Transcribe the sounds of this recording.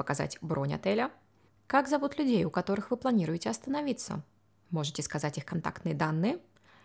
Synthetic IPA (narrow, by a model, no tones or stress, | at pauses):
əkaza̰tʲbɾonʲɐ̰t̪ɛlʲə | kaɡzɐvut̪lʲʉdʲejʊkɐt̪o̞ɾɨxvɨplˠɐnʲiɾʊjɪtʲɪɐst̪ənɐvʲit̪sːə̰ | mo̞ʐɨtʲɪskazatʲixkɐnt̪a̰kt̪nɨjəd̪anːɨjə